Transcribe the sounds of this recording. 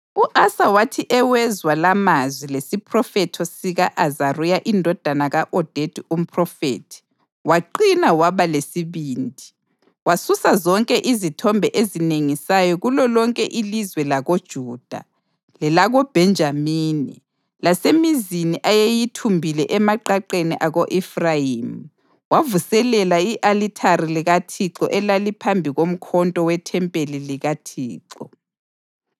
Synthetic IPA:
uʔasawatʰiʔɛwɛzwalamazwilesipʰrɔfɛtʰɔsiɣaʔazarujaʔindʱɔd̥ʱanaɣaʔɔd̥ʱetʰʼium̩pʰʼrɔfḛːtʰi̥ | waǃinawaβalesiβiːndʱi | wasusazɔŋkʼɛʔizitʰɔmbʱɛʔezineŋisajɔɣulɔlɔŋkʼɛʔilizwɛlaɣod̥ʒ̥ʱuːd̥ʱa̰ | lɛlaɣɔb̥ʱɛnd͡ʒʱamiːnḭ | lasemiziniʔajejitʰumbʱilɛʔɛmaǃaǃeniʔaɣoʔɛfrajim̩ | wavusɛlɛlaiʔalitʰaɾiliɣatʰiǁɔ̰ʔɛlalipʰambʱiɣom̩kʰɔntʼɔwɛtʰɛmpʼeliliɣatʰiːǃɔ

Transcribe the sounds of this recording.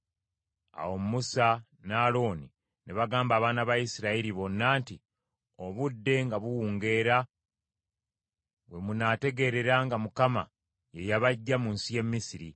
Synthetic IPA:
a̰wo̞mmusa | naːlo̞ːni | neβaɡaːmbaːβaːnaβajisiɾaiɾiβo̞nːaːnti | o̞βudːe̞ŋɡaβuwuːŋɡe̞ːɾa | we̞munaːte̞ɡe̞ɾe̞ɾaŋɡamukama̰ | je̞jaβaɟːamunsije̞mːisiɾi

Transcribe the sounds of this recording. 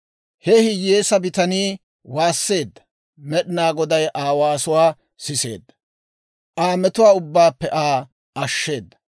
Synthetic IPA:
hɛhɪjeːsɐbɪt̪ɐniː | waːsːe̞ːd̪ːɐ̥ | mɛɗɪnaːɡɔd̪ɐjʔaːwaːsʊwaː | sɪse̞̰ːd̪ːɐ̥ | ʔaːmɛt̪ʊwaːʊbːaːpːɛʔaː | ʔɐʃːe̞ːd̪ːɐ̥

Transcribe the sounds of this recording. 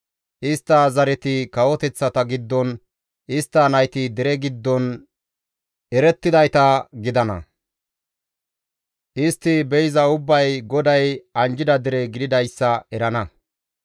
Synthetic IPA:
ʔɪst̪ːɐzɐɾɛt̪ɪkɐwɔt̪ɛt͡sːɐt̪ɐɡɪd̪ːɔn | ʔɪst̪ːɐnɐjt̪ɪd̪ɛɾɛɡɪd̪ːɔn | ɛɾɛt̪ːɪd̪ɐjt̪ɐɡɪd̪ɐnɐ̰ | ʔɪst̪ːɪbɛjzɐʊbːɐjɡɔd̪ɐjɐnd͡ʒɪd̪ɐd̪ɛɾɛɡɪd̪ɪd̪ɐjsːɐɛɾɐnɐ

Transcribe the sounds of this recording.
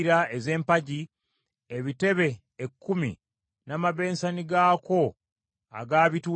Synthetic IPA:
ɾaeze̞ːmpaɟi | eβite̞βe̞ | ekːumḭ | namaβe̞ːnsaniɡaːko̞ | a̰ɡaːβituː

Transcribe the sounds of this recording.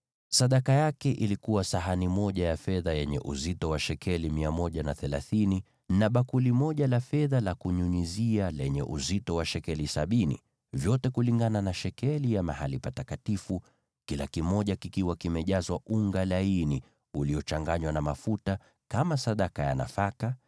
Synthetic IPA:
saɗakajakɛʔilikuwasaɦanimɔʄajafɛðajɛɲɛ̰ʔuzitɔwaʃɛkʰɛlimiamɔʄanaθɛlaθini | naɓakulimɔʄalafɛðalakuɲuɲizialɛɲɛʔuzitɔwaʃɛkɛlisaɓinḭ | vjɔtɛkuliŋɡananaʃɛkɛlijamahalipatakatifu | kilakimɔʄakikiwakimɛʄazwauŋɡalaini | uliɔt͡ʃaŋɡaɲwanamafuta | kamasaɗakaja̰na̰faka

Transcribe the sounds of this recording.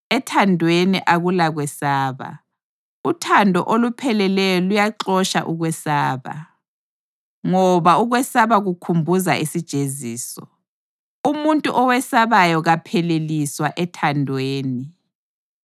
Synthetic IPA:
ɛtʰandʱweniʔaɣulaɣwɛsaːβa̰ | utʰandʱɔ̰ʔolupʰɛlɛlɛjɔlujaǁɔʃa̰ʔuɣwɛsaːβa̰ | ŋɔβauɣwɛsaβaɣukʰumbʱuzaʔisid̥ʒ̥ʱeziːsɔ | umuntʼuʔɔwɛsaβajɔɣapʰɛleliswaʔɛtʰandʱweːni

